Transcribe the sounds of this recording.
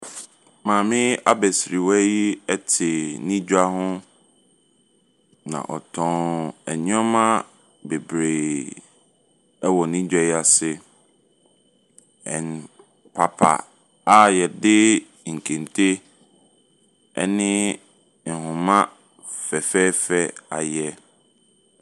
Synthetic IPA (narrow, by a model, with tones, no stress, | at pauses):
mãː˨mɪ̃˦a˦bɛ˨sɾi˨wɔ˦ji˦ɛ˦tʰɪ˨nĩ˦d͡ʑᶣa˦hʊ̃˦ | nã̰˨ʔɔ˨tʰɔ̃˦ɛ̰˨ɲĩ˦ɔ˦mã˦ | be˨bɾe˨ | ɛ˦wɔ˨nĩ˦d͡ʑᶣa˦˨ji˦a˨sɪ˦ | ɛ̰̃˨n | pʰa˨pʰa̰˨ | a˦jɛ˨dɪ˦ | ŋ̩˨kʰẽ˨ntʰe˦ | ɛ̰˦nɪ̃˦ | n̩˨ɦʊ̃˨mã˦ | fɛ˨fɛ˦fɛ˦a̰˨jɛ˦